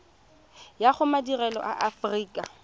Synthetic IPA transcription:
jaχʊmadirɛlɔ̰ʔaʔafriːkʼa

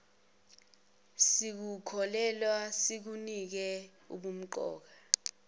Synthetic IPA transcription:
sik̬ukʰɔlɛlwasik̬unik̬ɛ | ṵɓum̩ǃɔ̰ːk̬a

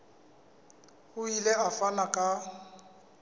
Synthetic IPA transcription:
hʊileafanakʼa

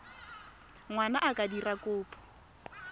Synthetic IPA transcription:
ŋwanaʔakʼadirakʼʊːpʰʼʊ̥

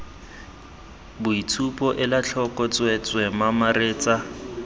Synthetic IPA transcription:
bʊitʰupʼɔʔɪlat͡ɬʰɔkʼɔt͡sʼwɛt͡sʼwɛmamareːt͡sʼa

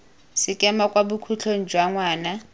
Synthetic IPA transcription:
sɪkʼɛmakʼwabukʰut͡ɬʰon̩d͡ʒʱwaŋwaːna

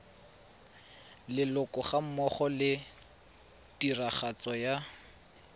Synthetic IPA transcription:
lɪlʊkʼɔχam̩mɔχɔlɪ | tiraχat͡sɔja

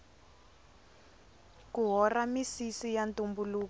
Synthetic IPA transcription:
kuɦɔramisisijantumbuluːk

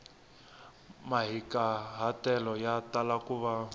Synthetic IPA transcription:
maɦikaɦatɛlɔjatalakuβa

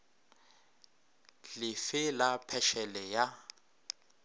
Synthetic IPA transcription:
lɪfɪlapʰɛʃɛlɛja

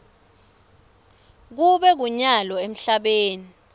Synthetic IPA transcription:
k̬uɓɛk̬uɲalɔem̩ɬaɓeːni

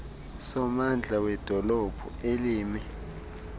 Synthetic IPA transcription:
sɔmand͡ɮʱawɛd̥ʱɔlɔb̥ʱueliːmi

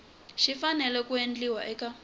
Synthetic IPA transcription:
ʃifanɛlɛkuend͡ɮiwa̰ʔɛka

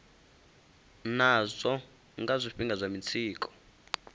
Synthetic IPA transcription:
nazʷɔ | ŋɡazʷiɸiŋɡazʷamit͡sʰiːk̬ʰʼɔ̥

